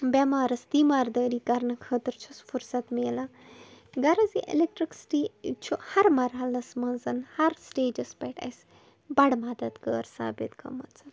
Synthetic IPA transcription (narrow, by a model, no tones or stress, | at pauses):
bʲamaːɾɐst̪imaːɾd̪əːɾikɐɾnɐkʰəːt̪ɐɾt͡ʃʰusfuɾsat̪meːla | ɡɐɾɐziʔḛlek̚ʈɾiksʈit͡ʃʰuhɐɾmɐɾɦalɐsmɐnzɐnhɐɾsʈeːd͡ʒɐspɐjʈɐ̰js | bɐɽmaːd̪ɐt̪kəːɾsa̰ːbḛt̪kɐ̰mɐt͡sɐ